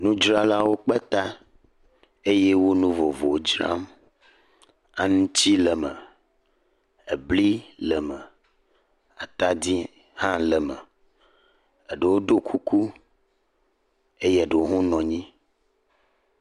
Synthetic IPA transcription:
nũ˦d͡ʒɾa˦la˦wo˦k͡pɛ˦t̪a˦ | e˦je˦wo˦nũ˦vɔ˨vo˨wo˦d͡ʒɾa̰˦m | a˦nũ˦t͡ɕi˦lə˨mə˨ | e˨bli˦lə˨mə˨ | a˨t̪a˦d̪i˦ | hã˦lə˨mə˨ | e˨ɖe˨wo˦d̪o˦kʰu˦ku˦ | e˦je˦˨ɖe˨wo˦ɦũ˦nɔ̃˨ɲĩ˦

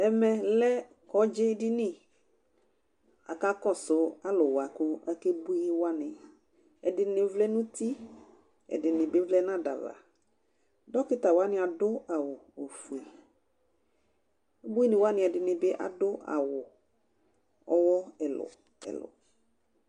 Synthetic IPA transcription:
ɛ˨mɛ˨lɛ˦ | kɔ˨˦d͡ʒɪ˦dɪ˦nɪ˦ | a̰˨ka˦kɔ˦˨sʊ˨a˦lʊ˨wa˨kʊ˦a˦ke˦bu˦i˦wa˦nɪ˨ | ɛ˨dɪ˨nɪ˨˦vlɛ˦nʊ̃˦ti˦ | ɛ̰˨dɪ˨nɪ̃˨bɪ˦vlɛ˦nã˦da̰˨va̰˨ | dɔ˦kɪ˦ta˨wa˦nɪ˦a˨dʊ˦a˨wʊ˨o˨fu˨i˨ | e˦bu˦i˦nɪ˨wa˦nɪ̃˨ɛ˨dɪ˨nɪ˨bɪ˦ʔa̰˨dʊ˦a̰˨wʊ˨ | ɔ˦wɔ˦ɛ˨lʊ̰˨ | ɛ̰˨lʊ̰˨

